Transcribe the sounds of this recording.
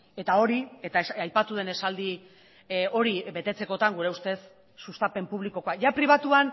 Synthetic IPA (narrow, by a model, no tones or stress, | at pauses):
e̞t̪ao̞ɾiet̪aeajpat̪uð̞e̞ne̞sald̪i | o̞ɾiβe̞t̪e̞t͡se̞ko̞t̪aŋɡuɾe̞ust̪e̞sː | ust̪ape̞mpuβ̞liko̞ko̞akʝapɾiβ̞at̪uan